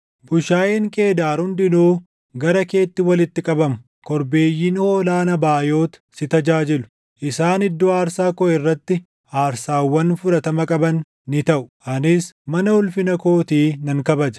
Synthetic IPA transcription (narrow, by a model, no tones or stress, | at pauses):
bʊʃaːjeːŋkʼe̞ːd̪aːɾhʊnd̪ɪnuː | ɡɐɾɐke̞ːt̪ːɪwɐlɪt̪ːɪkʼɐbɐmʊ̥ | kɔɾbe̞ːjːiːnhoːlaːnɐbaːjo̞ːt̪ɐ̥sɪt̪ɐd͡ʒaːd͡ʒɪlʊ̥ | ʔɪsaːnɪd̪ːoaːɾsaːkɔʔɛrːɐt̪ːɪ | aːɾsaːwːɐnfʊɾɐt̪ɐmɐkʼɐbɐnː | ɪt̪ɐʔʊ̥ʔɐnɪsmɐnɐhʊlfɪnɐko̞ːt̪iːnɐŋkɐbɐd͡ʒɐ̥